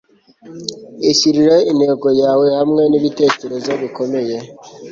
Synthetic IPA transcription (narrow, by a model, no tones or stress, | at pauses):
esiɾiɾeineɡojawehamŋɛnibiteteɾezabikomeje